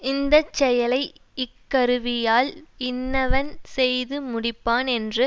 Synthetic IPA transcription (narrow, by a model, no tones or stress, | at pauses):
ɪnd̪ɐt͡ʃːɛjɐlɐɪɪkːɐɾɯʋɪjaːlɪnːɐʋɐnsɛjðɯmʊɽɪpːaːnɛndrɯ